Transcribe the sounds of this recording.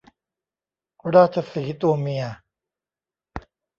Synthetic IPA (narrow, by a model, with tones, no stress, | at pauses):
ɾaː˥˩t͡ɕʰa˧siː˩˦t̪u˧əmi˧ɐ